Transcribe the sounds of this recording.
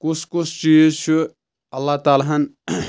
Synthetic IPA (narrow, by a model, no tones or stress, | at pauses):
kʊsʰkʊsʰt͡ʃiːzt͡ʃʰu | ɐlːat̪aːlaɦɐn